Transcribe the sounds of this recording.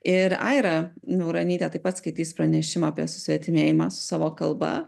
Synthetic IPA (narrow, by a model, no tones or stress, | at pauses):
ɪɾɐ̰ɪɾɐnʊɾɐnʲiːt̪ʲɛt̪ɐɪpɐt̪skɐɪt̪ʲiːspɾɐnʲɛʃʲɪmaːpʲiɛsʊ̥sʲʋʲɛt̪ʲɪmʲeːjɪmɑːsʊ̥sɑːʋoːkɐlˠbɐ̰